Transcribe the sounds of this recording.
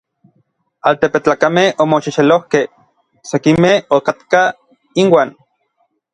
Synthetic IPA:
alt̪epet͡ɬaːkamehomoʃiʃelohke | sekimehokat̪ka | inwaːn

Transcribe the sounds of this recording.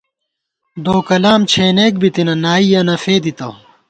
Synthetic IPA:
d̪oːkɐlaːmt͡ɕʰeːneːk̚bit̪inɐnaːijɐnɐfeːd̪it̪ɐw

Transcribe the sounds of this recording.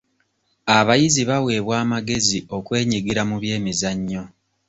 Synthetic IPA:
aβajiziβawe̞ːβwaːmaɡe̞zio̞kwe̞ːɲiɡiɾamuβje̞ːmizaɲːo̞

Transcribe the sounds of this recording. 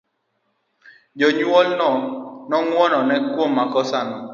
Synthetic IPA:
d͡ʒɔɲɔlnɔnɔŋwɔnɔnɛkwomakɔsanɔ

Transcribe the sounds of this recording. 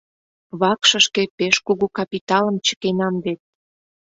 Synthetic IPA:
βɑkʃə̆ʃkepeʃkuɣukɑpʲit̪ɑlə̆mt͡ɕə̥kenɑmβet̪̚

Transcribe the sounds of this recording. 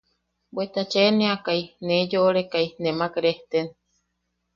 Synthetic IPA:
bwet̪at͡ʃenẽakajned͡ʒoʔːɾekajnemakɾeht̪en

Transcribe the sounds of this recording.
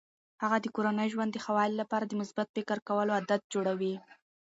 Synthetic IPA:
haɣad̪əkoɾanəjʒwand̪ːəxawɑɪllapɑɾad̪əmʊsbat̪̚pɪkəɾkawəload̪at̪̚d͡ʒoɽawi

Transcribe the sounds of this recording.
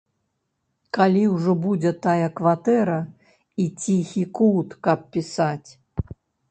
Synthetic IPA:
kalʲiwʐɔbud͡zʲɛt̪ajɐkvat̪ɛɾɐ | it͡sʲixʲikut̪kɐp̚pʲisat͡sʲ

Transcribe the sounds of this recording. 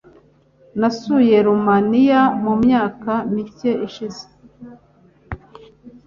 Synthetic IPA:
nasuje̞ɾumanijamumɲaːkamice̞ʔiʃize̥

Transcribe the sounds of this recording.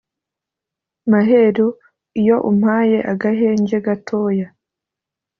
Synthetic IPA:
maɦeɾu | ijo̞ʔum̥haːje̞ʔaɡaɦe̞ːɲɟe̞ɡatʰo̞ːja

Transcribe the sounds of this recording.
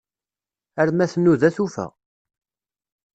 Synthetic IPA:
əɾmæθənːuðæθufæ̰

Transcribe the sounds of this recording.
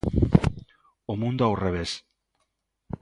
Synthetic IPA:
omũnd̪oawreβ̞es

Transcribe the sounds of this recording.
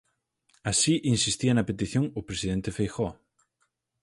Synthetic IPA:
asiʔinsist̪iɐnɐpet̪iθjoŋʊpɾesiðent̪ɪfejxɔ

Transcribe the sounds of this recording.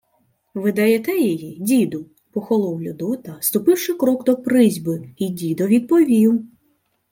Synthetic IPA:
ʋɨd̪ɐjɛt̪ɛjɔjidʲid̪ʊ | pɔxɔlˠɔwlʲʊd̪ɔt̪ɐst̪ʊpɪwʂɪkɾɔɡd̪ɔpɾɪzʲbɨidʲid̪ɔʋʲid̪̚pɔʋʲiw

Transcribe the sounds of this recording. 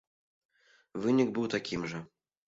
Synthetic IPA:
vɨnʲiɡbɨwt̪akʲimʐɐ

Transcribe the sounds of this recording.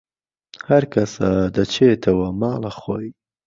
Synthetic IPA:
haɾkasad̪ət͡ʃet̪ʰawamɑːlaxoi

